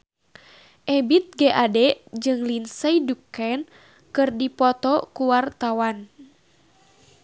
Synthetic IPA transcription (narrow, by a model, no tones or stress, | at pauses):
ʔɛbit̪̚ɡɛʔadɛd͡ʒɨŋlinsəidukɛn | kɨrdipɔt̪ɔkuwart̪awan